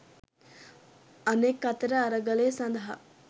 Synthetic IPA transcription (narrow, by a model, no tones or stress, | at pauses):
ɐneːkːɐt̪ɾɐːɾɐɡɐleːsɐnd̪ʱɐɦɐ